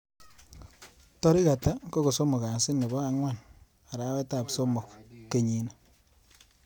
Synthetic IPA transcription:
tɔ˦ɾi˦ka˨ta˦ko˦ko˨so˦mo˨ka˨sɪ˦nːɛ˨bɔ˦a˦ŋwa˦˨n | a˨ɾa˨˦wɛ˦ta˨pso˦mʊ˨kːe˨ɲi˨na

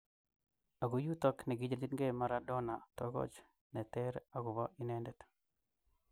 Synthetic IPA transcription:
a˨ɡo˨ju˦t̪ɔ˦knɛ˨ɡɪ˦d͡ʒe˨li˦tŋɡe˦ma˦ɾadɔ˦na˨t̪ɔɡɔ̰˦t͡ʃ | nɛ˨tɛɾa˦ɡʊ˨βɔ˦ʔi˦nɛndɛ˨t̪

